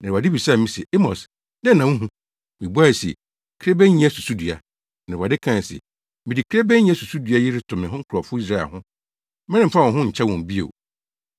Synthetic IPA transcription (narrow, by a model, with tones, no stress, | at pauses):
nã˨wa˨dɪ˦bi˨saː˦˨mĩ˦sɛ˨ʔe˦mɔ̰˨s | dɛ˦nːã˨ũ˦ɦũ˦ | mĩ˨bu˦a˦˨sḛ˨ | kʰɾe˦bɛ̃˦ɲ˦ɛ˦su˨su˦dɥa˨ | nã˨ɾwa˨dɪ˦kʰã˦˨sɛ̰˨ | mɪ̃˨di˨kʰɾe˦bɛ̃˦n˦ɲ˦ɛ˦su˨su˦dɥa˦ji˦ɾɪ˦tʰʊ̃˨mɪ̃˨ɦʊ̃˦kʰʊ˨ɾɔ˨fʊ˦i˦s̬ɾa˦ɛ̰˨hʊ̃˦ | mɪ̃˦ɪ̃˦m̩˨fa˦wɔ̃˨ɦʊ̃˦ɲ̩˨t͡ɕʰɛ˦wɔ̃˨m˨bi˦o̰˨